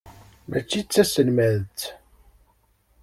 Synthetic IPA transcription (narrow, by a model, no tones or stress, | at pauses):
mʔæ̰t͡ʃːit͡sːæsənmæðt͡s